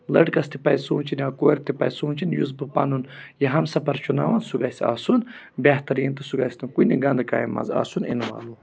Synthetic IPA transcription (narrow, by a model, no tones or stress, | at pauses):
lɐʈkɐst̪ipɐjsuːnt͡ʃʰinakoːɾʲt̪ipɐ̰jsũːnt͡ʃʰinjuzbɨpɐ̰nunjiɦɐmsɐpɐɾt͡ʃʰunaːʋɐnsuɡasa̰ːsun | bʲɐht̪ɐɾiːnt̪ɨsuɡasʲnɨkuniɡɐnd̪ka̰ːjimɐ̰za̰ːsunḭnʋa̰ːlu